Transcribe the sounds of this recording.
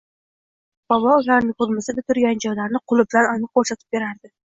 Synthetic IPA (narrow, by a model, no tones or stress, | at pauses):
b̥ɒbɒʊlaɾnɪŋqʊd̪mɪsɪbɪt̪ʰʊɾɡʲand͡ʒɒjlaɾnɪqʰʊlˠɪbɪlananɪqʰoɾsat̪ʰɪ̥p̚be̞ɾaɾd̪ɪ